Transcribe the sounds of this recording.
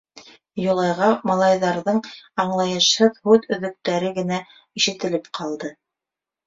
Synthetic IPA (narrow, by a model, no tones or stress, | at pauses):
jŏlˠɑjʁɑmɑlˠɑjðɑɾðɤɴɑɴlˠɑjɤ̆ʃhɤðhʉðɵ̆ðɵ̆k̚t̪æɾɘɡɘ̆næ | iʃɘ̆t̪ɘ̆lɘpqʰɑlˠd̪ɤ